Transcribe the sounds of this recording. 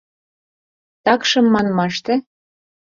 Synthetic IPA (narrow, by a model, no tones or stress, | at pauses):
t̪ɑkʃɤ̆mːɑnmɑʃt̪ĕ